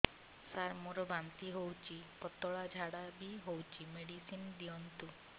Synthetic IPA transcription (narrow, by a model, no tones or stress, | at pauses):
saɾmuɾɔbant̪iɦowt͡ʃʰipɔt̪ɔɭad͡ʒʱaɽabiɦowt͡ʃʰimeɽisind̪iɔnt̪u